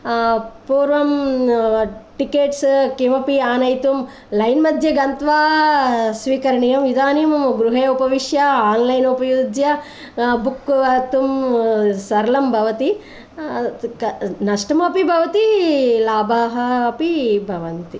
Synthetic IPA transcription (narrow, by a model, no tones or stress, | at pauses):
puːɾʋɐm | ʈikeːʈskiʋɐpiaːnɐjt̪um | lɐjnmɐd̪ʱjɐɡɐnt̪ʋaː | sʋiːkɐɾɐɳijɐmʋid̪aːnimɡɾuɦɐjupɐʋiʂjɐaːnlɐjnupɐjud̪jɐ | bukɐt̪um | sɐɾɐlɐmbʱɐʋɐt̪i | nɐʂʈɐmɐpibʱɐʋɐt̪ilaːbʱaːɦɐːpibʱɐʋɐnt̪i